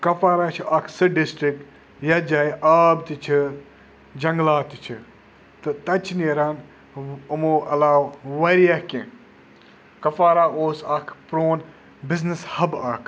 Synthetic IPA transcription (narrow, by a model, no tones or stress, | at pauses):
kɐfaːɾaːt͡ʃʰiʔɐkʰsɨɖɪsʈɾɪk̚ʈ | jɐd͡ʒaːjʔaːbt̪it͡ʃʰi | d͡ʒɐŋɡlaːt̪it͡ʃʰi | t̪ɨt̪ɐt͡ʃʰneɾan | ɐmoʔɐlaːwʋɐɾiɐkẽ | kɐfaːɾaːoːsɐkʰpɾoːn | bɪznɨshɐbaːkʰ